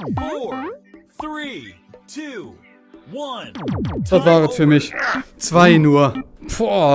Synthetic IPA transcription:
fɔ | θɹi | tʰʉ | wʌ̃natvaːʁɛsfyːɐmɪçt͡sv̥aɪnuːɐpɔ

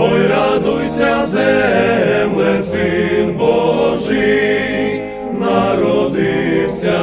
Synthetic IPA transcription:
ɔjɾad̪ujsʲazɛ | mlɛzinbɔʐɨ | naɾɔd̪iwsʲa

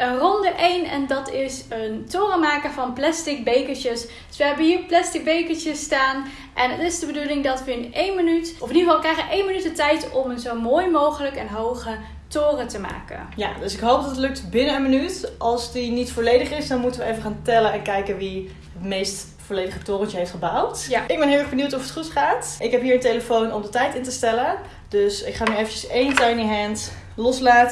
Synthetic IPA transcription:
ənrɔndəʔejnɛ̰ndɑtɪsəntoːrəmaːkəvɑnplastɪk̚bejkəɹəsd̥sʋəɦɛbəɦiːɹplastɪk̚bejkət͡ʃəstaːn | ʔɛnətɪzdəbədulɪŋdɑtʋəɪnejnmənytɔfɪniχəvɑlˠkrɛjχəʋəʔejnmənytdətɛjtɔməzowmoːjmowχələkɛnɦowχə | toːrətəma̰ːkə̰nja̰døsɪkɦowp̚dɑtətlɵk̚tbɪnəənmənytʔɑlˠsdinitfolejdəχɪsdɑnmutəʋəejvəχaːntɛlənɛnkɛjkənʋi | ətmejst | folejdəχətoːrəntəɦeftχəbawtʔɪɡ̚bɛnɦɪlɛːχbənywtɔfətχutχaːtʔɪkɦɛpɦiːɹəntejləfownɔmdətɛjtɪntəstɛlə | d̥øsɪkχaːnyejfəcəsejntajniɦɛnt | lɔslaːtə

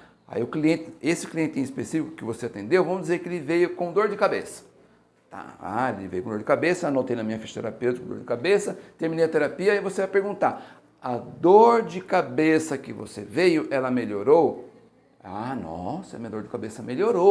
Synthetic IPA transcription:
a̰iʊkliẽnt̪ɪesɪ̥kliẽnt̪ɪĩspesifikʊ̥kɪvoseat̪ẽnd̪ewvɐ̃mʊzd͡ʒɪzeɾkɪelɪvejʊkõd̪oɾd͡ʒɪkabesɐ̥ | t̪a̰a̰elɪvejʊkõd̪oɾd͡ʒɪkabesɐɛnɐ̃t̪ẽjnɐmĩɲɐfiʃo̥t̪eɾapewt̪ikõd̪o̰ɾd͡ʒɪkabesɐt̪eɾminejɐt̪eɾapiɐaivosevajpeɾɡũnt̪aɾ | ɐd̪oɾd͡ʒɪkabesɐkɪvo̰sevejʊʔɛlɐmeʎoɾow | anɔ̰sɐmĩɲɐd̪oɾd͡ʒɪkabesɐmeloɾo

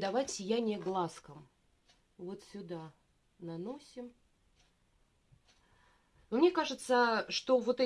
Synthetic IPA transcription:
d̪ɐvajsʲɪjænʲɪjəɡlˠaskəm | vo̞t̪sʲʊd̪a | nɐno̞sʲɪm | numnʲekaʐɨt̪səʂt̪o̞vo̞t̪ɛ

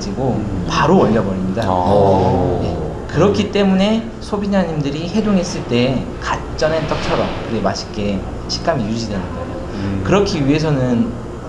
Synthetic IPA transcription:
d͡ʑiɡopaɾoʌʎːʌbʌɾimɲida | je̞̰ | kɯɾʌkʰit͈e̞mune̞ | sʰobiɲd͡ʑaɲimdɯɾiɦe̞doŋɦe̞s͈ɯɭt͈e̞ | ka | t͡ɕ͈ʌnet͈ʌk̚t͡ɕʰʌɾʌmkɯɾiɡemaɕʰi̥k͈e̞ | ɕʰi̥k͈amijud͡ʑidwe̞nɯnɡʌjo | kɯɾʌkʰiɥiɦe̞s̬ʰʌnɯn

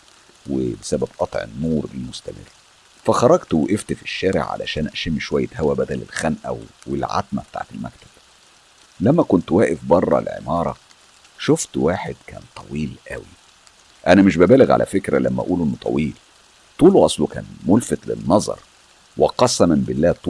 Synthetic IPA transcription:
webesæbæbʔɑt̪ˤʕḛnːuːɾḛlmost̪æmɪ̰rː | fæxɑɾˤɑɡt̪weʔeft̪fi̥ʃːæːɾḛʕʕa̰læ̰ʃæːnʔæʃemːiʃowæjːæɦæwæbæd̪ælḛlxænʔæ̰wwelʕa̰t̪mæ̰b̥et̪a̰ʕet̪elmæ̰kt̪æ̥b̥ | læmːækont̪wæːʔefbɑrˤːɑ̰lʕḛmɑːɾˤɑ̰ | ʃoft̪waːħed̪̥kæ̰ːnt̪ˤʰɑwiːlʔæwi | ʔænæmeʃbæbæːleɣʕa̰lʔæ̰fekɾælæ̰mːæʔʔuːlʔenːot̪ʰˤɑ̰wiːl | t̪ˤuːlʔɑsˤlukæ̰ːnmolfæt̪lɪ̰nːɑzˤɑ̰ɾˤ | weqɑsːæmɪmbɪlːæːt̪ː

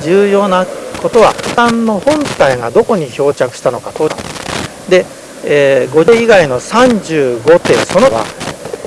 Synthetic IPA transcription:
d͡ʑɨːjo̞ːnako̞t̪o̞βa̰hɯ̥t̪ãnːo̞hõ̞nt̪aiɡad̪o̞ko̞ɲ̟iço̞ːt͡ɕakɯ̟ɕi̥t̪ano̞kat̪o̞ː | d̪e̞ | eːɡo̞iɡaino̞sãɲd͡ʑɨːɡo̞t̪e̞so̞no̞βa̰

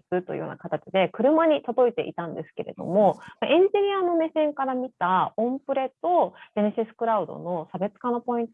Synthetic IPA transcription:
ikɯ̟t̪ːoj̰jo̰ːnakat̪at͡ɕid̪e̞kɯ̟ɾɯ̟maɲ̟it̪od̪o̞it̪e̞̰ʔḭt̪ãnd̪e̞sɨ̥ke̞ɾe̞̰d̪o̞̰mo̞maʔẽ̞ɲ̟d͡ʑiɲ̟ʲiano̞me̞sẽ̞ŋkaɾamʲit̪aõmpɯ̟ɾe̞t̪o̞d̪eneɕisɨ̥kɯ̟ɾaɯ̟d̪o̞̰no̞sabe̞t͡sɨ̥kanopo̞ĩnt̪o

